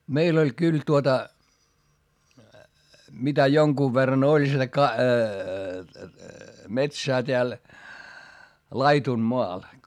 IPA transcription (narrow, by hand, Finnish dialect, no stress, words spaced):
meil olʲ kyl tuotɑ mitæ joŋkuːʋ ʋerːɑn olʲ sitæ kɑ metsæː teæl lɑitunmoɑ